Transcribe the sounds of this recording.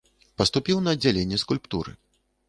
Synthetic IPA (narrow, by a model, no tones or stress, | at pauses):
pɐst̪upʲiwnɐːd͡zʲːalʲenʲːɛskulʲpt̪uɾɨ̰